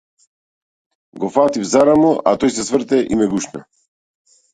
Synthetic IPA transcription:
ɡɔfat̪ivzaɾamɔʔa̰t̪ɔjsɛsvrt̪ɛʔimɛɡuʃna̰

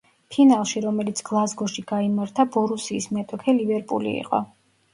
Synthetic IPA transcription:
pʰinalˠʃiɾɔmɛlit̪sʰɡ̥lˠazɡɔʃiɡaimaɾt̪ʰabɔɾusiːsmɛt̪ʼɔkʰɛlivɛɾpʼṵlḭːqʼɔ̰

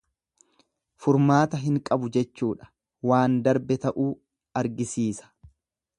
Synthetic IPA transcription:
fʊɾmaːt̪ɐɦɪŋkʼɐbʊd͡ʒɛt͡ʃːuːᶑɐ̥ | waːnd̪ɐɾbɛt̪ɐʔuː | ɐɾɡɪsiːsɐ̥

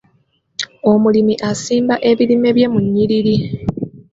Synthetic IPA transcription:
o̞mulimiʔasiːmbaʔe̞βilime̞βje̞muɲːiliɾi

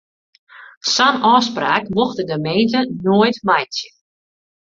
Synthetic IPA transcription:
sanɔːspraːkmɔxdədəmejntənoəjtmajtjə

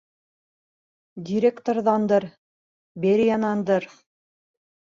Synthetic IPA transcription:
dʲiɾʲekt̪orðɑnd̪ɤɾ | bʲeɾʲjɑnɑnd̪ɤɾ

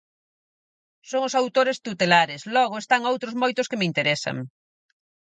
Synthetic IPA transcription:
soŋʊsawt̪oɾɪst̪ut̪elaɾɪslɔɣ̞ʊest̪aŋowt̪ɾʊzmojt̪ʊskemɪint̪eɾɛsɐ̰ŋ

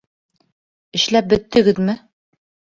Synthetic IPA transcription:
ɘ̆ɕlæp̚bɵ̆t̪ːɘ̆ɡɘðmɘ

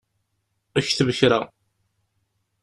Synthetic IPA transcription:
æçθəvəçɾa

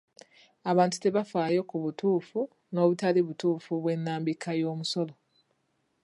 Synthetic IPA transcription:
aβaːntu̥te̞βafaːjo̞kuβutuːfu | no̞ːβutaliβutuːfuβwe̞nːaːmbikʰajo̞ːmuso̞lo

